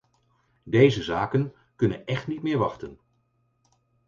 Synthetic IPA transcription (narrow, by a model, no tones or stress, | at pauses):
dejzəzaːkən | kɵnənɛχtnitmɪːɹʋɑχtən